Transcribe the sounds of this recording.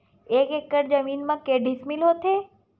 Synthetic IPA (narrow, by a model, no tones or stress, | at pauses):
ekekːəɾd͡ʒəminmãkeɖismilɦot̪ʰe